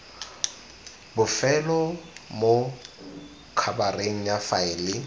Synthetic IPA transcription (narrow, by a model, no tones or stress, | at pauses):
bʊfɛlɔmo | kʰabareŋ̩jafaɪlɪ